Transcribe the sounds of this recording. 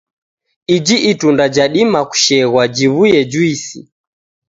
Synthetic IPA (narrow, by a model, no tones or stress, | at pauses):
id͡ʒiʔitundad͡ʒaɗimaku̥ʃɛɣwad͡ʒiβujɛd͡ʒuisḭ